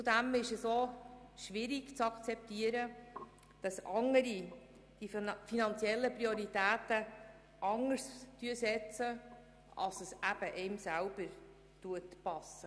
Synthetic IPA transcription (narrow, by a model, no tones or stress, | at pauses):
t͡sud̪æmɪʃɛsoːʃʋɪɾiɡt͡sɑkt͡sɛptiəɾə | d̥ɑsʔɑŋəɾi | d̥ifinɑnt͡sjɛlːəpɾioɾitæːtə | ʔɑŋəɾstyəsɛt͡sə | ɑ̰lsəsæb̥əʔɛɪmsælb̥əɾ | tuətpɑsə